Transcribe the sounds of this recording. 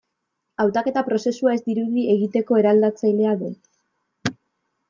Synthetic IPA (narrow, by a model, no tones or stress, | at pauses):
awt̪ake̞t̪apɾo̞se̞suae̞zd̪iɾuðie̞ɣit̪e̞ko̞e̞ɾald̪at͡sajle̞aðu